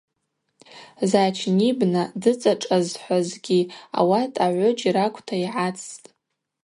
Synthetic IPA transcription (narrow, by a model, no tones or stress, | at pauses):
zat͡ʃʰnibnadɨt͡sʼaʈ͡ʂʼazħʷazɡʲia̰watʰʼaʕʷʊd͡ʒiɾakʷʰʼtʰaiʕat͡sʰtʼ